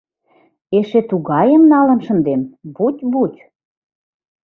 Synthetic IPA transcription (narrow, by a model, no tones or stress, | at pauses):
eʃet̪uɣɑjəmnɑlə̆nʃə̆nd̪enbut̪ʲbutʲ